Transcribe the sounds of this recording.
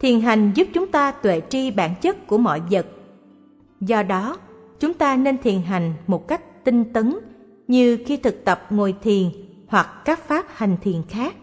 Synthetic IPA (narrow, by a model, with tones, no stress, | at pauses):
t̪ʰi˨˩ənɦa˨˩jŋ̟zu˦˥p̚t͡ɕʊ˨˦ŋ͡mt̪aː˧t̪wḛ˧˨t͡ɕi˧ɓaː˧˩nt͡ɕə˦˥t̚ku˧˩əmɔ̰˧˨jzə˨˩t̚ | zɔ˧ɗɔ˨˦ | t͡ɕʊ˨˦ŋ͡mt̪aː˧ne˧nt̪ʰi˨˩ənɦa˨˩jŋ̟mo˨˩t̚ka˦˥jk̟̚t̪i˧ŋt̪ə˨˦n | ɲɨ˧xi˧t̪ʰɨ˨˩k̚t̪ə˨˩p̚ŋo˨˩jt̪ʰi˨˩ən | hwa˨˩kkaː˦˥k̚faː˦˥p̚ha˨˩jŋ̟t̪ʰḭ˨˩ənxaː˦˥k̚